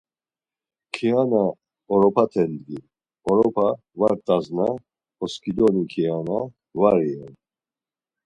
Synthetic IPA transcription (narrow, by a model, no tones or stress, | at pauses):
kʰiana | ɔɾɔpʰat̪ʰɛnd̪ɡiɾ | ɔɾɔpʰa | vaɾt̪ʼazna | ɔskʰid̪ɔnikʰiana | vaɾiɛn